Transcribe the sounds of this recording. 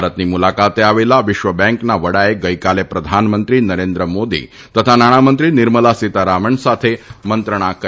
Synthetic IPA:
ɾət̪niːmulakat̪eaʋelaʋiɕʋəbɛ̃ŋknaʋəɽajeɡəjkalepɾəd̪ʱanmənt̪ɾiːnəɾend̪ɾəmod̪ḭː | t̪ət̪ʰanaɽ̃amənt̪ɾiːniɾməlasit̪aɾaʋəɳsat̪ʰemənt̪ɾəɽ̃akə

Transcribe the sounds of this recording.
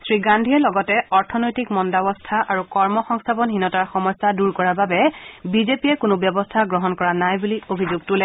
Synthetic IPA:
sɹiɡandʱiɛlɔɡɔtɛɔɹtʰɔnojtikmɔndabɔstʰaʔaɹukɔɹmɔxɔŋstʰabɔnɦinɔtaɹxɔmɔjsːaduɹkɔɹaɹbabɛbizepiɛkʊnʊbjɔbɔstʰaɡɹɔɦɔnkɔɹanajbuliobʱizuɡ̚tulɛ

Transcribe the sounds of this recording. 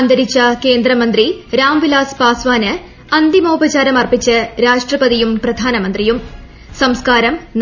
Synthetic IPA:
nd̪ɐɾit͡ɕːɐke̞ːnd̪rɐmɐnd̪riɾaːmʋilaːspaːsʋaːnɨ | ɐnd̪imoːbɐt͡ɕaːɾɐmɐrpit͡ɕːɨɾaːʂʈrɐpɐðijumprɐd̪ʱaːnɐmɐnd̪rijum | sɐmskaːɾɐmn

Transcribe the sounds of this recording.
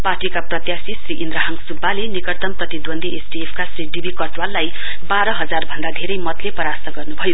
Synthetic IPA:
parʈikaprʌt̪jasisriʔind̪ɾaɦʌŋsubːalenikʌrt̪ʌmprʌt̪id̪wʌnd̪ʱiʔesɖiepʰkasriɖibʱikʌʈwalːaj | baɾʌɦʌd͡zarbʱʌnd̪ad̪ʱeɾʌjmʌt̪lepʌɾast̪ʌɡʌrnubʱʌjo

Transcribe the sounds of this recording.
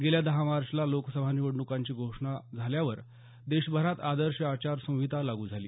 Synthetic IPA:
ɡeljad̪əɦamaɾʂlaloksəbʱaniʋəɽɳukãɲt͡ɕiːɡʱoʂɳad͡zʱaljaʋəɾ | d̪eɕbʱəɾat̪ad̪əɾɕəat͡ɕaɾsõw̃ʋit̪alaɡuːd͡zʱaliː

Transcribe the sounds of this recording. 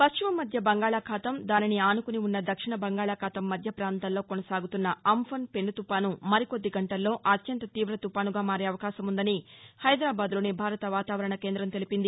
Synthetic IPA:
pɐst͡ʃimɐmːɐd̪ʱjɐbɐŋɡaːɭaːkʰaːt̪ɐmd̪aːniniaːnukuniunːɐd̪ɐkʂiɳɐbɐŋɡaːɭaːkʰaːt̪ɐmːɐd̪ʱjɐpɾaːnt̪aːlːo̞ːkonɐsaːɡut̪unːɐɐmpʰɐnpe̞ɳːut̪upaːnumɐɾiko̞d̪ːiɡɐɳʈɐlːo̞ːʔɐt̪jɐnt̪ɐt̪iːʋɾɐt̪upaːnuɡaːmaːɾeɐʋɐkaːʃɐmund̪ɐnihɐjd̪ɾaːbaːd̪lo̞ːnibʱaːɾɐt̪ɐʋaːt̪aːʋɐɾɐɳɐke̞ːnd̪ɾɐmt̪e̞lipind̪i

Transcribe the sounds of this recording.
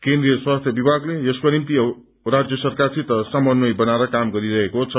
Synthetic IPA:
kend̪ɾijʌswast̪ʰjʌbibʱaɡleʌskonimt̪i | rad͡zjʌsʌrkart͡sʰit̪ʌsamʌnːʌjbʌnaɾʌkamɡʌɾiɾʌɦekot͡sʰʌ

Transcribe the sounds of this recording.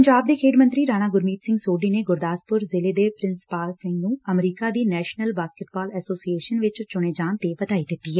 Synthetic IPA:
pəɲd͡ʒaːb̚d̪eːkʰeːɖmənt̪ɾiːɾaːñaːɡʊɾmiːt̪sɪ̃ŋɡsoːɖiːneɡʊɾd̪aːspʊɾzɪleːd̪eːpɾɪ̃nspaːlsɪ̃ŋɡnũəmɾiːkad̪iːnɛːʃnəlbaːskɪʈ̚baːlɛsoːsieːʃənʋɪt͡ʃt͡ʃʊɽ̃eːd͡ʒaːnt̪eʋət̪aːid̪ɪt̪ːiɦɛː

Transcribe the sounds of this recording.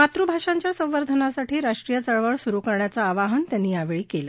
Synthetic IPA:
mat̪ɾubʱaʂaɲt͡ɕjasə̃ʋəɾd̪ʱənasaʈiːɾaʂʈɾijət͡səɭʋəɭsuɾukəɾɳjat͡saːʋaɦənt̪janːiːjaʋeɭiːkelə

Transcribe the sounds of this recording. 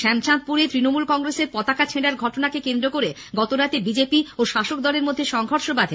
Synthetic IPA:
ʃɛmt͡ɕant̪̚puɾet̪ɾinomulkɔŋɾeseɾpɔt̪akat͡ɕʰeɖaɾɡʱɔʈonakekend̪ɾokoɾe | ɡɔt̪oɾat̪ebid͡ʑepioʃaʃokd̪ɔleɾmod̪ʱːeʃɔŋʱoɾʃobad̪ʱe

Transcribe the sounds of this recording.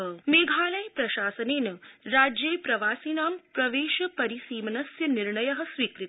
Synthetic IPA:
meːɡʱaːlɐjpɾɐʃaːsɐneːnɐɾaːd͡ʒjeːpɾɐʋaːsiːnaːmpɾɐʋeːʃɐpɐɾisiːmɐnɐsjɐniɾɳɐjɐɦɐ̆sʋiːkɾit̪

